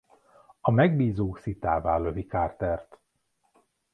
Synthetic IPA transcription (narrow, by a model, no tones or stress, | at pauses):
ɒmɛɡ̚biːzoːksit̪aːvaːløvikaːrt̪ɛrt̪